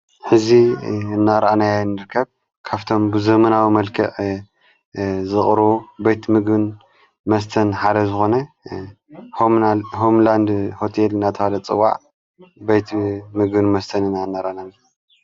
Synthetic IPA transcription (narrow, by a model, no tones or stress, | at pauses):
ħɨziɨnːaɾʔanajanːɨɾɨkʰːɐβ | kʰaβt̪ʰo̞mbɨzɐmɐnawimɐlkʰɐʔ | zɨχʼɾobejt̪mɨɡbɨn | mɐst̪ʰɐnħad̪ɐzɨxo̞nɐ | hoɦomland̪ho̞t̪ʰelɨnːat̪ʰɐhalɐt͡sʼɨ̰wa̰ʕ | bejt̪mɨɡbɨnmɐst̪ʰɐnɨnːaɨnːaɾʔanan